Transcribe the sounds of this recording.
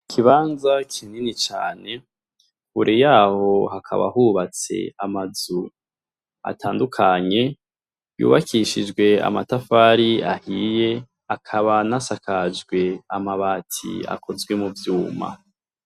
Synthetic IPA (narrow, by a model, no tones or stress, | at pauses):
kʰiβaːnzakʰininit͡ʃa̰ːne̞ | huɾʔejaːho̞hakʰa̰βa̰huβat͡se̞̰amazu | a̰tʰaːndukʰaɲe̞ | jṵːβakʰiʃid͡ʒɡwe̞a̰matafaːɾiahije̞ | akʰaβanasakʰad͡ʒɡwe̞amaβaːtʰḭa̰kʰo̞zɡwe̞muvjuːma̰